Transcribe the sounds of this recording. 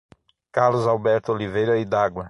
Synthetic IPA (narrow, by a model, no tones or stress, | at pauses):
kaɾlʊzawbɛɾt̪ʊolivejɾɐɪd̪aɡwɐ